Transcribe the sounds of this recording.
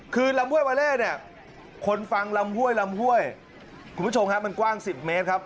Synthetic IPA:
kʰɯː˧la˧mhu˥əjwaː˧lɛː˥˩k̚ni˥˩ə | kʰo˧nfa˧ŋla˧mhu˥˩əjla˧mhu˥˩əj | kʰu˧nʰ˦u˥t͡ɕʰo˧mkʰa˦˥ma˧nkwaː˥˩ŋsi˨˩p̚meː˦˥t̪̚kʰa˦˥p̚

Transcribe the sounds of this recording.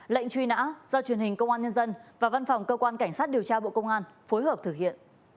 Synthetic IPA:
lə̰˧˨jŋ̟t͡ɕwi˧na̰ː˧˥zɔː˧t͡ɕwi˨˩ənhï˨˩ŋ̟kə˧wŋ͡mʔaː˧nɲə˧nzə˧nvaː˨˩va˧nfa˨˩wŋ͡mkəː˧kwaː˧nka˧˩jŋ̟saː˦˥t̚ɗi˨˩əwt͡ɕaː˧ɓo̰˧˨kə˧wŋ͡mʔaː˧nfo˨˦jɦəː˨˩p̚t̪ʰɨ˧˩k̚hḭ˧˨ənʔ

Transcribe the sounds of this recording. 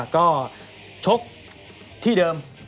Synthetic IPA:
kɔː˥˩ | t͡ɕʰo˦˥k̚ | t̪ʰi˧˥˩ɗəː˧m

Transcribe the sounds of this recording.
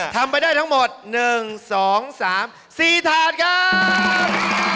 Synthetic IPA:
t̪ʰa˧mpa˧jdaː˥˩jt̪ʰŋmo˨˩t̪̚nɯ˨˩ŋsɔː˩˦ŋsaː˩˦m | siː˨˩t̪ʰaː˨˩t̪̚kʰa˦˥p̚

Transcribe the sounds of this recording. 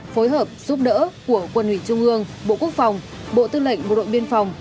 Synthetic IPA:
fo˨˦jɦəː˨˩p̚z̥u˦˥p̚ɗə̰ː˧˥ku˧˩əkwə˧˩nhwi˧˩t͡ɕʊ˧ŋ͡mʔɨ˧əŋɓo̰˧˨ku˦˥ək̚fa˨˩wŋ͡m | ɓo̰˧˨t̪ɨ˧lə̰˧˨jŋ̟ɓo̰˨˩ɗo̰˧˨jɓi˧ənfa˨˩wŋ͡m

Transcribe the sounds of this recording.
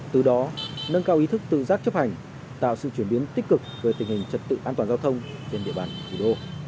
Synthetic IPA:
t̪ɨ˨˩ɗɔ˨˦nə˧nkaː˧wʔi˨˦t̪ʰɨ˦˥k̚t̪ɨ̰˧˨zaː˦˥k̚t͡ɕə˦˥p̚ha˨˩jŋ̟ | t̪a̰ː˧˨wsɨ̰˧˨t͡ɕwi˧˩əɓi˨˦ənt̪i˦˥k̟̚kɨ˨˩k̚vəː˨˦jt̪ï˨˩ŋ̟hï˨˩ŋ̟t͡ɕə˨˩t̚t̪ɨ̰˧˨ʔaː˧t̪waː˨˩nzaː˧wt̪ʰə˧wŋ͡mt͡ɕe˧nɗḭ˧˨əɓa̰ː˧˩n˨˩t̪ʰi˧˩ɗo˧

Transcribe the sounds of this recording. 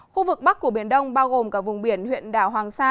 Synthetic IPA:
xu˧vɨ˨˩k̚ɓa˦˥k̚ku˧˩ɓi˧˩ənɗə˧wŋ͡mɓaː˧wɣo˨˩mkaː˦˥k̚vʊ˨˩ŋ͡mɓi˧˩ənhwḭ˧˨ənɗa̰ː˧˩wɦwaː˨˩ŋsaː˧

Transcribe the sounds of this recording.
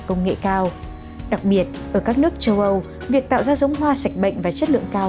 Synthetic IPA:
kə˧wŋ͡mŋḛ˧˨kaː˧w | ɗa˨˩k̚ɓi˨˩ət̚ʔəː˧˩kaː˦˥k̚nɨ˦˥ək̚t͡ɕə˧wʔə˧w | vi˨˩ək̚t̪a̰ː˧˨wzaː˧zə˨˦wŋ͡mɦwaː˧sa˨˩jk̟̚ɓə̰˧˨ŋ̟vaː˨˩t͡ɕə˦˥t̚lɨ̰˧˨ə˨ŋkaː˧

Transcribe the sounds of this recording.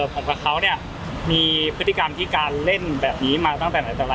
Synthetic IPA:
pʰo˨˩˦kwaː˧˩kʰa˦˥wni˥˩ɐ | miː˧pʰɯ˦˥t̪ʰːi˧ka˧mt̪ʰiː˥˩kaː˧nle˥˩nbɛː˨˩p̚niː˦˥maː˧t̪ɔ˥˩ŋt̪ɛː˨˩naː˨˦jt̪a˧la˧

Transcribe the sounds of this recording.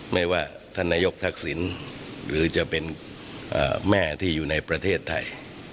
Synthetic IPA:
ma˥˩jwaː˥˩ | t̪ʰa˥˩nːaː˧˥˩jo˦˥k̚t̪ʰa˦˥˩k̚si˩˦nɾɯː˩˦t͡ɕa˨˩ʔpe˧n | ʔa̰ː˨˩mɛː˥˩t̪ʰiː˥˩juː˨˩na˧jpɾa˧t̪ʰeː˥˩t̪ʰːa˧j

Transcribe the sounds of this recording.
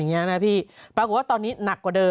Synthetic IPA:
ŋi˦˥ɐ˧na˦˥pʰiː˥˩pɾa˧kʰu˨˩t̚waː˥˩t̪ɔː˧nːiː˦˥na˨˩kːɔː˨˩dɤː˧

